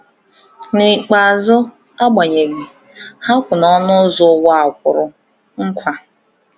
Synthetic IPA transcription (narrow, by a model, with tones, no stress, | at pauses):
nɪ˨k͡pa˨zʊ˦ | a˦ɡ͡ba˨ɲe˨ɡi˨ | ha˦kʷʊ˨nɔ˦nʊ˦zʊ˦wa˨kʷʊ˨ɾʊ˨ | ŋ̩˦kʷa˦